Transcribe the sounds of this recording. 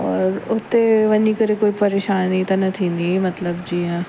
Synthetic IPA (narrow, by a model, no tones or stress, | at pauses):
ɔːɾʊt̪ːeʋɐnikɐɾekoːipɐɾeːʃaːnit̪ɐnɐt̪ʰinimɐt̪ləbd͡ʒiːɦɛ̃ː